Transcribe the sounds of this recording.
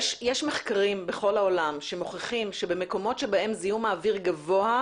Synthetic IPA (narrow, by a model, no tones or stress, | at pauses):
ʃjeʃmeχkaʁimbeχo̞laolamʃemoχeχimʃebe̞me̞ko̞mo̞tʃebaʔe̞mzijumaːviʁɡavo̞a